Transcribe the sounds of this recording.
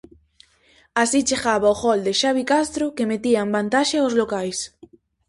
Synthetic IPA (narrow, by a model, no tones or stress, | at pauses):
asit͡ʃeɣaβaoxɔld̪ɪʃaβikast̪ɾʊkemet̪iambant̪aʃaaʊzlokajs